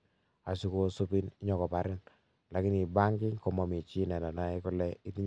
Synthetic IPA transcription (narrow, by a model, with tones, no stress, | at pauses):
a˨su˦ko˦su˦pi˦ni˦ɲɔ˨kɔ˨pa˨ɾɪ˦n | la˨kɪ˦ni˨ba˦ŋkɪ˦ŋkɔ˨mɔ˨mi˨t͡ʃi˦nɛ˨na˨na˦ɪ˦kʊ˦lɛ˦ɪ˦ti˦ɲ